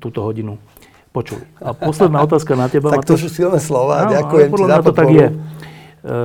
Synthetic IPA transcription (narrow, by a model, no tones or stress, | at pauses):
t̪uːt̪ɔɦɔɟinu | pɔt͡ʃṵliapɔslɛd̪naːɔt̪aːskanat̪jɛbamaat̪ɔsusilnɛslɔʋaːaakujɛmpɔd̪laat̪ɔt̪aɡjjɛ